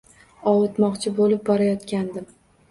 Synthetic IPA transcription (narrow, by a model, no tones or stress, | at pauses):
ɒwʊt̪mɒqt͡ʃʰɪbolɪp̚bɒɾajɒt̪kʲand̪ɪm